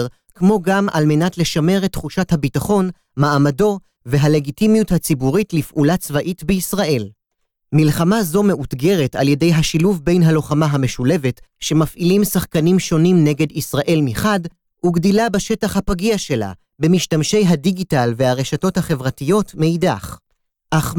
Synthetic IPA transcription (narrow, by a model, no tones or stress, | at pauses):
ʁ | kmo̞ɡama̰lme̞natle̞ʃame̞ʁetːχuʃathabitaχo̞n | maːmado̞ | ve̞ɦale̞ɡitimijuthat͡sibuʁitlifʔulat͡svaʔitbeisʁaʔe̞l | milχamazo̞me̞ʔutɡe̞ʁetalje̞de̞jɦaʃiluvbe̞jnɦalo̞χamaɦame̞ʃule̞vetʃe̞mafʔilimsaχkanimʃo̞nimne̞ɡe̞disʁaʔe̞lmiχad | uɡdilabeʃe̞taχhapaɡiaʃe̞la̰ | bemiʃtamʃe̞jɦadiɡitalvehaʁeʃato̞thaχe̞vʁatijo̞tmeidaχ | ʔaχ